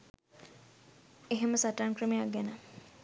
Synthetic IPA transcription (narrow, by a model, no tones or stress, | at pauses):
eɦeməsaʈankɾəmejak̚ɡɛnə